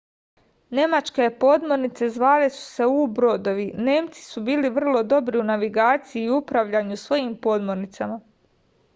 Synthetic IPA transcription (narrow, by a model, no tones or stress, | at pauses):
ne̞mat͡ʃke̞po̞d̪moɾnit̪se̞zʋaːlesu̥se̞ubɾo̞d̪o̞ʋine̞ːmt̪si̥subiːliʋr̩lˠo̞d̪o̞bɾiunaʋiɡaːt̪sijiːupɾaʋʎaɲusʋo̞jimpo̞d̪moɾnit̪sama